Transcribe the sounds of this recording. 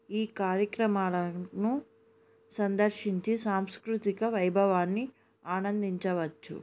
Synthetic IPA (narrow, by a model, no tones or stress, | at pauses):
iːkaːɾjɐkɾɐmaːlɐnu | sɐnd̪ɐɾʃiɲt͡ʃisaːmskɾut̪ikɐʋɐjbʱɐʋaːnːi | aːnɐnd̪iɲt͡ʃɐʋɐt͡ʃːṵ